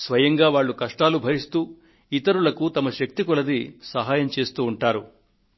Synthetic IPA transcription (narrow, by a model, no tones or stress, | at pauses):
sʋɐjɐŋɡaːʋaːɭːukɐʂʈaːlubʱɐɾist̪uː | it̪ɐɾulɐkut̪ɐmɐʃɐk̚t̪ikulɐd̪isɐɦaːjɐmt͡ʃe̞ːst̪uːɳʈaːɾu